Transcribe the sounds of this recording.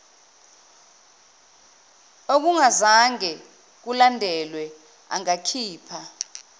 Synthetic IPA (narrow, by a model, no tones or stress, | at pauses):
ok̬uŋazaŋɛ | k̬ulandʱɛlwɛ | a̰ŋakʰiːpʰa